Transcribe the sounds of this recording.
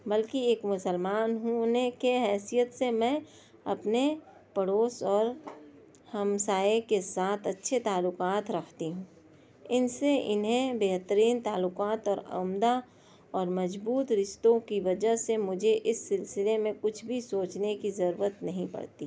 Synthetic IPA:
bɐlkieːkmʊsəlmaːnɦunekeɦɛːsijət̪semɛ̃ | ɐpne | pəɽoːsɔːɾ | hɐmsaːekesaːt̪ʰɐtːʃʰet̪aːlːʊqaːt̪ɾɐkʰt̪iɦũː | ɪnseʔɪnɦẽbeːɦt̪əɾiːnt̪aːlːʊkaːt̪ɔːɾɐ̰md̪a | ɔːɾmɐd͡ʒbuːt̪ɾɪʃt̪õkiʋɐd͡ʒəɦsemʊd͡ʒʱeʔɪsːɪlsɪlemẽkʊt͡ʃʰbʱisoːt͡ʃnekizɐɾṵːɾət̪nɐɦĩpɐ̰ɽt̪i

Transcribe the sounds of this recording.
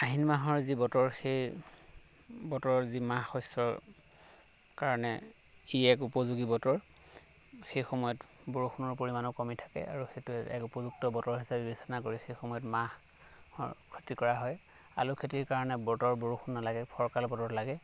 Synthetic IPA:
aɦinmaɦɔɹzibɔtɔɹxej | bɔtɔɹɔɹzimahɔsɔɹ | kaɹɔnɛ̰ | iɛk̬upɔzuɡibɔtɔɹ | xejxɔmɔjɔt | boɹuxʰunɔɹpoɹimanɔkɔmitʰḁkɛ̰ʔa̰ɹuxejtuɛ̰kupɔzuk̚tɔbɔtɔɹɦisabɛbisanakoɹixejxɔmɔjɔtmah | ɔ̰kʰɔtikɔɹaɦɔj | a̰lukʰetiɹkaɹɔnɛbɔtɔɹboɹuxʰunːalaɡɛpʰɔɹkalbɔtɔɹlaɡɛ

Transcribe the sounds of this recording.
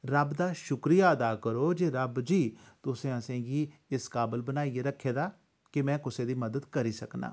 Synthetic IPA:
ɾəbd̪aːʃʊkɾijaːəd̪aːkəɾoːd͡ʒeːɾəbd͡ʒiː | t̪ʊsẽːəsẽːɡiːɪskaːbəlbənaːiːeːɾəkʰːeːd̪aː | kɪmɛ̃ːkʊseːd̪iːməd̪əd̪kəɾiːsəkna̰ː

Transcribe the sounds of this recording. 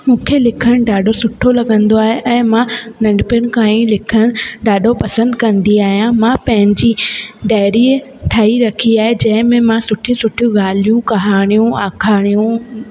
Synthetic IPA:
mũːkʰelɪkʰəɽ̃ɖaːɖʱosʊʈʰolɐɠə̃nd̪oaːɦeʔɛ̃ːmãnɐ̃ɳɖpɪənɪ̆kaːĩlɪkʰəɽ̃ɖaːɖʱopɐsə̃nd̪kɐ̃nd̪iaːɦijãmãpɐ̃ɦɪ̃ɲd͡ʑiːɖaːɪɾiʈʰaːiɾɐkʰiaːɦed͡ʑɐ̃ɦɪ̃mẽmãsʊʈʰiũsʊʈʰijũɡaːl̤ijũkɐɦaːɽ̃ijũaːkʰaːɽ̃ijũ

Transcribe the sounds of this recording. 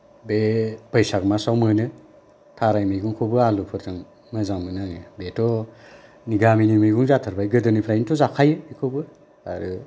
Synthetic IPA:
bebajsaɡmasawmɯnɯ | tʰaɾajmɯjɡuŋkʰobɯalupʰɯɾtʰɯŋ | mɯzaŋmɯnaŋɯbetʰɔ | niɡaminimɯjɡuŋzatʰɯɾbajɡɯdɯnipʰɾajnitʰɔzakʰajɯikʰobɯ | a̰ɾɯ

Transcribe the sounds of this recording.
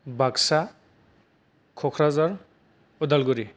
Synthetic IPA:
baksa | kʰɔkʰɹazaɹ | ɔdalɡuɹi

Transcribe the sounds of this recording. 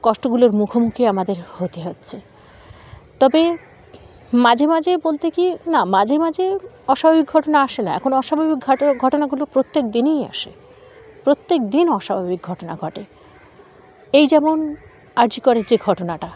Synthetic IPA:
kɔʃʈoɡuloɾmukʰomukʰiamad̪eɾhot̪eɦotːɕʰe | t̪ɔbe | mad͡ʑʱemad͡ʑʱebolt̪ekinamad͡ʑʱemad͡ʑʱe | ɔʃabʱabik̚ɡʱɔʈonaaʃenaɛ̰kʰonoɔʃabʱabik̚ɡʱɔɡʱɔʈonaɡulopɾot̪ːek̚d̪ineja̰ʃe | pɾot̪ːekd̪inɔʃabʱabik̚ɡʱɔʈona̰ɡʱɔʈe | ejd͡ʑɛmon | aɾd͡ʑikɔɾeɾd͡ʑeɡʱɔʈonaʈa

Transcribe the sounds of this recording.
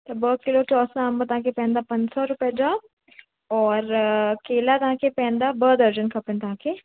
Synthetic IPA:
t̪ɐbəːkɪlot͡ʃɔːsãmbət̪aãkepɛ̃ːnd̪apɐ̃ɲd͡ʒsɔɾʊpjad͡ʒaː | ɔːɾkeːlat̪ɐɦãkepɛ̃ːnd̪abəːd̪əɾd͡ʒənkʰɐpənt̪ɐɦãːke

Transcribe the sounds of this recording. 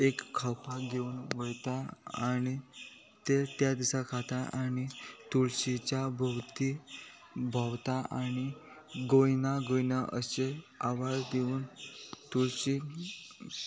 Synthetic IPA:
ekkʰːawpaɡeuːnʋəɭt̪aañi | t̪et̪jad̪isakʰat̪aʔañit̪uɭɕit͡ɕabʱəwt̪i | bʱawt̪aañi | ɡojnaɡojnaʔəseaʋazd̪euːnt̪uɭɕi

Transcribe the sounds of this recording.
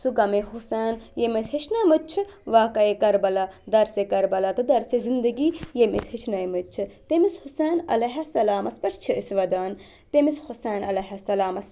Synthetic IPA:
suɡɐmeɦusaːnjemisʲhiʃʰnɐmɨt͡ʃʰɨʋaːkɐjekɐɾbɐlad̪ɐɾsekɐɾbɐlɐt̪ɨd̪ɐɾsezind̪ɐɡiːjemḭshit͡ʃʰnɐjmɨt̪t͡ʃʰɨt̪emishusaːnɐ̰lɐɦɐsɐlaːmɐspɐʈʰt͡ʃʰiʔisʋɐd̪aːn | t̪emishusaːnɐlɐɦɐsɐlaːmɐs

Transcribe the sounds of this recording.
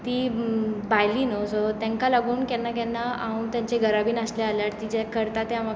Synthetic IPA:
t̪iːbajliːnosot̪jãŋkalaɡuːnkɛnːak̬ɛnːaaũt̪jãɲt͡ɕeɡʱəɾabiːnəslaaljaɽt̪id͡ʑakəɾt̪at̪eama

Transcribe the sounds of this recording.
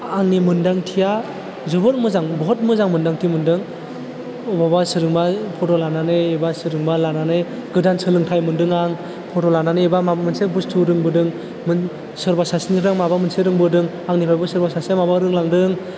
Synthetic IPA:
aŋnimɯndaŋtʰija | zɯbɯɾmɯzaŋbɔɦɔt̚mɯzaŋmɯndaŋtʰimɯndɯŋ | ɔbabasɯɾɯŋbapʰɔtɔlananɯebasɯɾɯŋbalananɯ | ɡɯdansɯlɯŋtʰajmɯndɯŋaŋ | pʰɔtɔlananɯebamabamɯnsebustʰuɾɯŋbɯdɯŋ | mɯ | sɯɾbasasniɾaŋmabamɯnseɾɯŋbɯdɯŋ | aŋnipʰajbɯsɯɾbasasemabaɾɯŋlaŋdɯŋ

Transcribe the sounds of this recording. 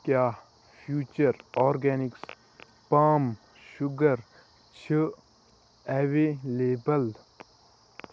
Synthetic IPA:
kjaː | pʰjuːt͡ʃɐɾɔːɾɡɛːnɪks | paːm | ʃʊɡɐɾ | t͡ʃʰi | ɛʋeleːbɐl

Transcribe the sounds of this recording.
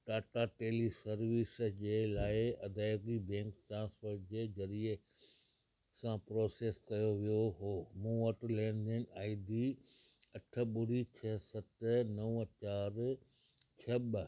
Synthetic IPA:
ʈaːʈaʈeːlisɐɾʋɪsd͡ʑeːlaːɪɐd̪ʱaːɡibɛ̃ːŋkʈãːsoʈd͡ʑezɐɾie | sãpɾoːseːskɐjoʋijoɦoːmũːɐʈlɛ̃ːɳɖ̪ɪnaːɪd̪iɐʈʰə̆ɓʊɾit͡ɕʰɐsɐt̪nɐʊt͡ɕaːɾ | t͡ɕʰɐɓ

